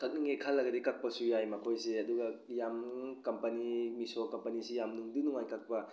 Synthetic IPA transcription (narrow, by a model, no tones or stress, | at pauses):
kɐk̚niŋekʰalːɐɡɐdikɐk̚pɐsujajmɐkʰojseɐduɡɐjamnuŋkɐmpɐnimisokɐmpɐnisijamnuŋdunuŋajkɐk̚pɐ